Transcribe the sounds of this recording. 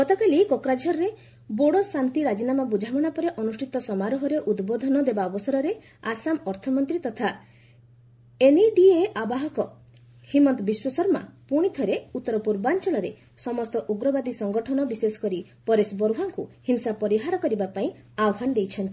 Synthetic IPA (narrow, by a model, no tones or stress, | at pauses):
ɡɔt̪akalikɔkɾad͡ʒʱɔɾɾe | boɽɔsant̪iɾad͡ʒinamabud͡ʒʱamɔɽ̃apɔɾeʔɔnusʈʰit̪ɔsɔmaɾɔɦɔɾeʔud̪bod̪ʱɔnɔd̪ebaɔbɔsɔɾɔɾe | asamɔɾt̪ʰɔmɔnt̪ɾit̪ɔt̪ʰa | eniɖieʔabaɦɔkɔ | himɔnt̪ɔbiswɔsɔɾma̰puɽ̃it̪ʰɔɾeut̪ːɔɾɔpuɾbant͡ʃɔɭɔɾe | sɔmɔst̪ɔʔuɡɾɔbad̪isɔŋɡɔʈʰɔnɔbisesɔ̥kɔɾipɔɾesbɔɾuɦaŋkuhinsapɔɾiɦaɾɔkɔɾibapaĩ | awɦanɔd̪ejt͡ʃʰɔnt̪i̥